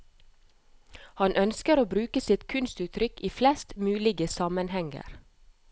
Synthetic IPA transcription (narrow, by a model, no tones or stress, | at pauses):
hɑnʔœnskəɾoːbɾʉːkəsɪt̪kʰʉnst̪ʉːt̪ʰɾʏkiːflɛst̪mʉːlɪɡəsɑmənhɛŋə̰ɾ